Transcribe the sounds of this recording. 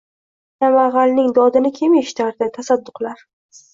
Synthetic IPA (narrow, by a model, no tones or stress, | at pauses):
j̪amaʁɑlnɪŋd̪ɒd̪ɪnɪkʲʰe̞meʃɪ̥t̪ʰaɾd̪ɪt̪ʰasad̪ːʊqlaɾ